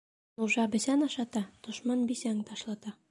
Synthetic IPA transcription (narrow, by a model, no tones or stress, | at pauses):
noʒɑbɘ̆sænɑʃɑt̪ɑd̪̥ŏʃmɑnbisæŋt̪ʰɒʃlˠɑt̪ɑ